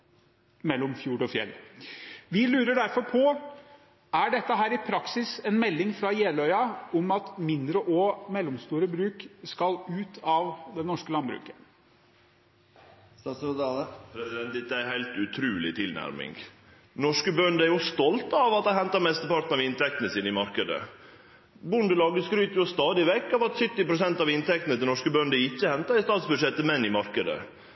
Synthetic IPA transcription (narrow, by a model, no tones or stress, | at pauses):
mɛlːɔmfjuːɖɔfjɛ̰lː | ʋɪlʉːɾəɖæɾfɔɾpʰɔ | æɖɛt̪ːəɦæːɾɪpʰɾɑksɪsɛnmɛlːɪŋfɾɑjeːlœʏɑɔmɑt̪mɪnd̪ɾəʔɔmɛlːɔmst̪uːɾəbɾʉːkskɑlʉːt̪ʰɑʋd̪ɛnɔʂkəlɑnbɾʉ̰ːkə̥ | pʰɾɛsɪd̪ɛnt̪ɪt̪ːəæɪhæɪlt̪ʉt̪ʰɾʉːlɪt̪ʰɪlnæ̰ɾmɪ̰ŋɡ | nɔʂkəbœnd̪əæɾjʊst̪ɔlt̪ɑʋɑt̪̚d̪ɛhɛnt̪ɑɾmɛst̪əpɑʈ̪ən̩ɑʋɪnt̪ʰɛkt̪ənəsiːnɪmɑɾkəd̪ə̰ | bʊnd̪əlɑːɡəskɾyːt̪əɾjʊst̪ɑːd̪ɪʋɛkːɑʋɑt̪sʏt̪ːɪpɾʊsɛnt̪ɑʋɪnt̪ɛkt̪nət̪ʰɪlɔʂkəbœnd̪əɪçːəhɛnt̪ɑɾɪst̪ɑːt̪sbʉd̪ʂɛt̪ːəmɛnːɪmɑɾkəd̪ə̰